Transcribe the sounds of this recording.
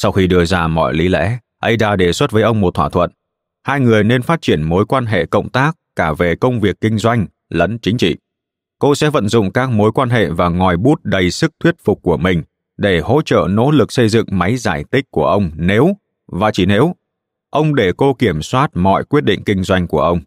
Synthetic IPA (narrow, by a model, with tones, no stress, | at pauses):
sa˧wxi˧ɗɨ˧əzaː˧mɔ̰˧˨jli˨˦lɛ̰˧˥ | ʔə˧jzaː˧˩ɗe˨˩swə˦˥t̚vəː˨˦jʔə˧wŋ͡mmo˨˩t̪̚ʰwaː˧t̪ʰwə̰˧˨n | haː˧jŋɨ˨˩əjne˧nfaː˦˥t̚t͡ɕi˧˩ənmo˨˦jkwaː˧nɦḛ˧˨kə̰˧˨wŋ͡mt̪aː˦˥k̚kaː˧˩ve˨˩kə˧wŋ͡mvi˨˩əkːï˧ŋ̟zwa˧jŋ̟ | lə̰˧˥nt͡ɕï˨˦ŋ̟t͡ɕḭ˧˨ | ko˧sɛ̰˧˥və̰˧˨nzʊ̰˧˨ŋ͡mkaː˦˥k̚mo˨˦jkwaː˧nɦḛ˧˨vaː˨˩ŋɔ˨˩jɓu˦˥t̚ɗə˨˩jsɨ˦˥k̚t̪ʰwi˦˥ət̚fʊ˨˩k͡p̚kːu˧˩əmï˨˩ŋ̟ | ɗe˧˩ho̰˧˥t͡ɕə̰ː˧˨no̰˧˥lɨ˨˩k̚sə˧jzɨ̰˧˨ŋma˨˦jzaː˧˩jt̪ï˦˥k̟̚ku˧˩əʔə˧wŋ͡mne˨˦w | vaː˨˩t͡ɕi˧˩ne˨˦w | ʔə˧wŋ͡mɗe˧˩ko˧ki˧˩əmswaː˦˥t̚mɔ̰˧˨jkwi˦˥ət̚ɗḭ̈˧˨ŋ̟kï˧ŋ̟zwa˧jŋ̟ku˧˩əʔə˧wŋ͡m